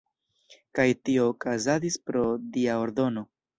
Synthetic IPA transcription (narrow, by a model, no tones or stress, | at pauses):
kajtio̞ːkazadispɾo̞diao̞ɾdo̞no̞